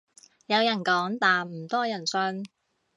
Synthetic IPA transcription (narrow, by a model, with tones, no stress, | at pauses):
jɐ˨˧wjɐ˨˩nkɔː˨˥ŋt̪aː˨˩nm̩˨˩t̪ɔː˥jɐ˨˩nsɵ˧n